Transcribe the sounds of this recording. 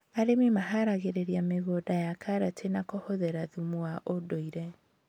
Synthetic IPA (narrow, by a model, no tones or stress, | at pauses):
aɾememaɦaɾaɣeɾeɾiameɣodajakʰaɾatʰenakohoðɛɾaðumuaʔodoiɾɛ